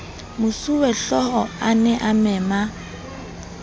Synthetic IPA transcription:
mʊsuwɛɬɔhɔanɛʔamɛːma

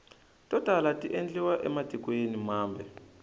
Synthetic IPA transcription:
tɔd̥ʱalatiʔend͡ɮiwaʔɛ̰mad̥ʱikwenimaːmbʱɛ

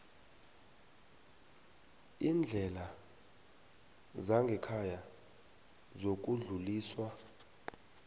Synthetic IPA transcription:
iːnd͡ɮʱɛla | zaŋɡʱɛkʰaja | zok̬ʼuɮuliːswa

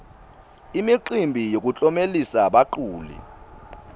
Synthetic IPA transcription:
imiǃimbʱijok̬ʼut͡ɬʼɔmelisaɓaǃuːlḭ

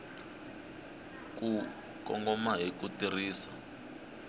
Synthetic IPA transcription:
k̬ʼu | kʼɔ̰ŋɡɔmaɦik̬ʼutiriːsa

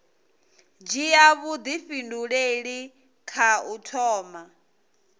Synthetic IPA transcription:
d͡ʒijaβud̪iɸinduɺeɺi | kʰautʰɔːma

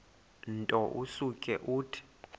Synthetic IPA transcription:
ntʼɔʔusukʼɛʔuːtʰi̥

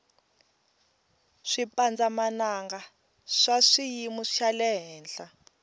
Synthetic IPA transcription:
ʂipʼand͡zamanaŋɡa | ʂaʂijimuʂalɛɦɛːnɬa

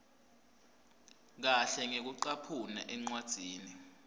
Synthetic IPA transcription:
k̬aɬɛŋek̬uǃapʰuna̰ʔɛŋ͡ǀwad̥z̥ʱiːni

